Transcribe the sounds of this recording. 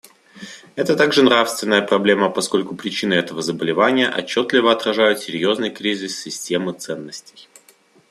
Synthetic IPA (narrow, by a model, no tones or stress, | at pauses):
ɛt̪ət̪aɡʐɨnɾafst̪vʲɪnːəjəpɾɐblʲe̞məpɐsko̞lʲkʊpɾʲɪt͡ɕinɨɛt̪əvəzəbəlʲɪvanʲɪjəʔɐ̰t͡ɕːo̞t̪lʲɪvəɐt̪ɾɐʐajʊt̪sʲɪɾʲjo̞znɨjkɾʲizʲɪsːʲɪsʲtʲe̞mɨt̪sɛnːəsʲtʲɪj